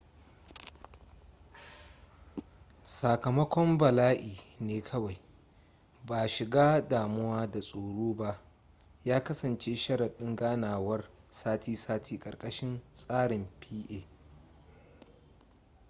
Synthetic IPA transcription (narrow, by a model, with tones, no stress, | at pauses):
sa˨kɐ˨mɐ˦kʷɔ˦mbɐ˨laː˦ʔiː˨neː˦kʰɐ˦wa˨j | baː˨ʃɪ˨ɡaː˦daː˨mʊ˦waː˦da˨sʼoː˨ɽoː˦ba˦ʔ | jaː˦kɐ˦sɐ˨nt͡ʃeː˦ʃɐ˦ɽɐ˨ɗɪ˦ŋɡaː˦naː˨wɐ˦r | saː˦tʰiː˦saː˦tʰiː˦kʼɐ̰˨rkʼɐ˦ʃɪ˦nsʼaː˦ɽɪ˨mpʰiː˦ʔeː˨